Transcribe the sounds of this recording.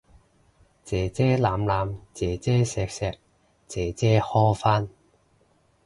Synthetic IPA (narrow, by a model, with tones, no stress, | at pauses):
t͡sɛː˨˩t͡sɛː˥laː˨˧mlaː˨˧mt͡sɛː˨˩t͡sɛː˥sɛː˨˧k̚sɛː˧k̚ | t͡sɛː˨˧t͡sɛː˥hɔː˥faː˥n